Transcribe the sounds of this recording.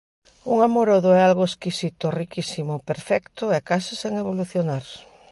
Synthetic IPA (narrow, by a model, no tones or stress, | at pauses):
uŋamoɾoðʊɛalɣoeskisit̪ʊrikisimʊpeɾfɛkt̪ʊɛkasiseŋeβ̞oluθjonaɾ